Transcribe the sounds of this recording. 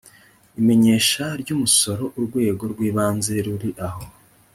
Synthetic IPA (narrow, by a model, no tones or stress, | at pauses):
ime̞ɲe̞ːʃaɾɟuːmuso̞ɾo̞ʔuɾɡwe̞ːɡo̞ɾɡwiːβaːnze̞ɾuɾiʔaho̞